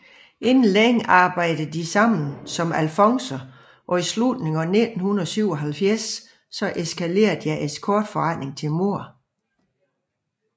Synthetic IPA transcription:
ʔe̝nn̩leŋ̰ɑ̈ːb̥ɑ̈ɪ̰d̥ðd̥isɑ̈m̰n̩sɒ̽mælfɒ̽ŋsɐ | ʔɒ̽islud̥ne̝ŋɒ̽ne̝d̥n̩hunɐðˠsyʊ̰ɒ̽ɦælfjæɐsː | ɒ̽ʔe̝skʰæle̝̰ːɐjɑ̈ɪʔeskʰɔːd̥fɒʁɑɪne̝ŋt͡sʰe̝lmo̝ɐ̰

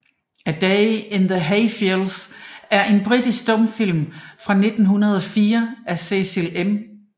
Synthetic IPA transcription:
əd̥eɪenðəɦeɪfilsæɐʔe̝nb̥ʁid̥isɡd̥ɔ̽mfil̰mfʁɑ̈ne̝d̥n̩ɦunɐð̞ˠɒ̽fiːɐʔæse̝selem

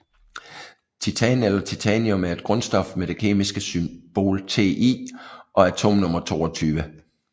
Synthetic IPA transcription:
t͡sʰit͡sʰɛnelɐt͡sʰit͡sʰɛniɔ̽mæɐe̝d̥ɡ̥ʁɔ̽nsd̥ɒ̽fmed̥e̝kʰe̝̰ːmisɡ̥əsymb̥o̝̰ːlt͡sʰe̝̰ːʔḭʔɒ̽æt͡sʰo̝̰ːmnɔ̽mɐt͡sʰo̝̰ːɒt͡sʰyːʋə

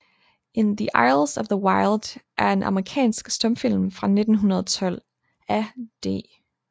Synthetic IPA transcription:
e̝nðiʔɑɪl̩ˠsɒʋðəwɑɪlˠd̥ʔæɐe̝nʔɑ̈məʁikʰɛ̰ːnsɡ̥sd̥ɒ̽mfil̰mfʁɑ̈ne̝d̥n̩ɦunɐð̞ˠɒt͡sʰɒ̽l̰ | æd̥e̝̰ː

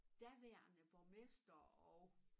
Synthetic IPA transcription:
d̥æʋeɐ̰nəb̥ɒmesd̥ɐɒʊ

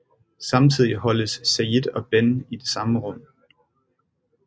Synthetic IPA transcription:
sɑ̈mt͡sʰið̰ˠihɒ̽ləsːæid̥ɒ̽b̥enid̥e̝sɑ̈məʁɔ̽m̰

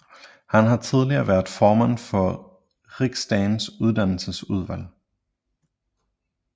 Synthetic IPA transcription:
hænɦɑ̈t͡sʰið̞ˠliɐːʋæɐdˠfɒːmæn̰fɒ̽ | ʁiɡ̥sd̥æɪnsuð̞ˠd̥æn̰l̩səsuð̞ˠʋæl̰

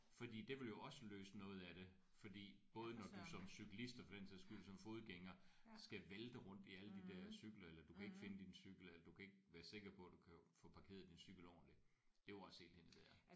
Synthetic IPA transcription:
fɒ̽d̥ḭːd̥e̝ʋe̝ljo̝ɒ̽səløːsənɔ̽ːð̞̩ˠæɾ̥e̝ | fɒ̽d̥ḭːb̥ɔ̽ːð̞ˠənɒd̥usɒ̽msyɡ̥lisd̥ɐfɒd̥ent͡sʰið̰ˠsɡ̥yd̥usɒ̽mfo̝ːð̩ˠɡ̥eŋɐsɡ̥æʋeld̥əʁɔ̽n̰d̥iæləd̥id̥æɐ̰syɡ̥lɐelɐd̥ukʰæe̝ɡ̥fe̝nəd̥insyɡ̥l̩elɐd̥ukʰæe̝ɡ̥̚ʋæːɐse̝ɡ̥ɐpʰɔ̽æd̥ukʰæfɔ̽pʰɑ̈kʰe̝̰ːɐð̩ˠd̥insyɡ̥l̩ɒʊ̰nli̥ | d̥e̝oɑshe̝̰ːld̥henəb̥eɐɐ

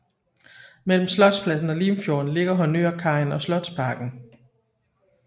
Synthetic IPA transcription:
mel̰m̩slɒ̽d̥spʰlæsn̩ɒ̽liːmfjo̝ːn̩le̝ɡ̥ɐɦɒ̽nø̰ɐkʰɑ̈ɪnɒ̽slɒ̽d̥spʰɑ̈ɡ̥n̩

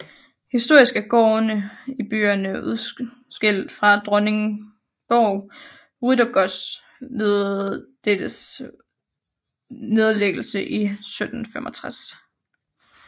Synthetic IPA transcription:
hisd̥o̝ɐ̰isɡ̥æɡ̥ɒ̰ːnəib̥y̰ːɐnəuðˠ | sɡ̥el̰d̥fʁɑ̈d̥ʁɔne̝ŋ | b̥ɒʊ | ʁydɐɡ̥ɒs | ʋe̝ðˠd̥ed̥əs | ne̝ð̞ˠleɡ̥l̩səʔisød̥n̩femʔɒ̽t͡sʰʁas

